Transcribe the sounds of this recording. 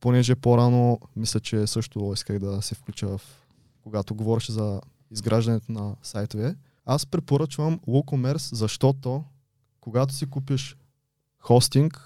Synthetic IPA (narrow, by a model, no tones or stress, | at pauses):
ponɛʒɛpoɾanomislʲɐt͡ʃɛsɤʃt̪oiskəɣd̪ɐsɛfklʲut͡ʃəvɐf | koɡat̪oɡovɔɾɛʃzɐ | izɡɾaʒd̪ɐnɛt̪onɐsajt̪ovɛ | aspɾɛpoɾɤt͡ʃvəmwˠukomɛɾszɐʃt̪ɔt̪o | koɡat̪o̥sikupiʃ | xɔst̪iŋk